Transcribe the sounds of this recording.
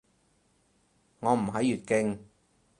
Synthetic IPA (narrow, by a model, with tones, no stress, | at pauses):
ŋɔː˨˧m̩˨˩ɦɐ˨˥jːyː˨t̚kɪ˧ŋ